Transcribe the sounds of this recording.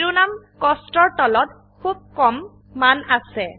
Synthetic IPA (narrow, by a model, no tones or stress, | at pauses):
ɹunam | kɔstɔɹtɔlɔt | kʰub̚kɔmː | anasɛ